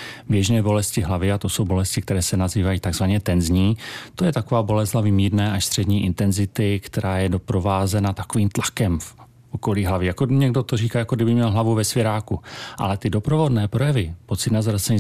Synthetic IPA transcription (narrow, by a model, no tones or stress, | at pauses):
bjɛʒnɛːbo̞lɛscɪɦlavɪat̪o̞so̞wbo̞lɛscɪkt̪ɛɾɛːsɛnaziːvajiːt̪aɡzvaɲɛt̪ɛnzɲiːt̪o̞jɛt̪ako̞vaːbo̞lɛzlavɪmiːɾnɛːʔaʃst̪r̝̥ɛdɲiːʔɪnt̪ɛnzɪt̪ɪkt̪ɛɾaːjɛdo̞pɾo̞vaːzɛnat̪akoviːmt̪lakɛmf | ʔoko̞liːɦlavjɛjakoɲɛɡdot̪oriːkaːjakoɡdɪbɪmɲɛlɦlavuvɛsvjɛɾaːkuʔa̰lɛt̪ɪdo̞pɾovo̞dnɛːpɾo̞jɛvɪpo̞t̪t͡sɪt̪nazɾat͡sɛɲi